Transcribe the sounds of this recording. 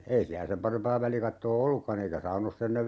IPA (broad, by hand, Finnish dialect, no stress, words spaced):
ei siæ sem pɑrempɑː ʋælikɑtːoː olːukːɑn eikæ sɑunosː enːeʋ